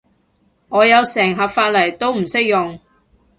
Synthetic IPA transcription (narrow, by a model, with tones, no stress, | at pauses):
ŋɔː˨˧jɐ˨˧wsɛː˨˩ŋɦɐ˨pfaː˧t̚lɐ˨˩jt̪o˥wm̩˨˩sɪ˥k̚jʊ˨ŋ